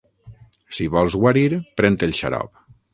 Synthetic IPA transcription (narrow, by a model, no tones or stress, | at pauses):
siβɔlˠzɣwaɾiɾpɾɛnt̪elˠʃa̰ɾɔ̰p